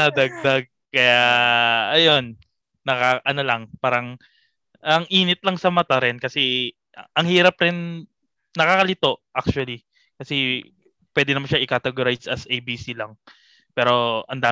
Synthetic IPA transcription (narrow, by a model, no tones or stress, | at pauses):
ɐd̪ɐɡ̚d̪aɡ̚kɐja | ɐjo̞nː | ɐkaʔɐno̞lɐŋpaːɾɐŋ | ʔɐŋʔiːnɪt̪̚lɐŋsɐmɐt̪aɾɛnkɐsɛ | ʔʔɐŋhiːɾɐpɾɪn | nɐkakɐlɪt̪o̞ʔʔak̚t͡ʃuɐli | kɐsɛ | pwɛd̪ɪnɐmanʃaʔɪkat̪ɛɡoɾajsɐsʔejbiːsilɐŋ | pɛːɾo̞ʔɐnd̪aː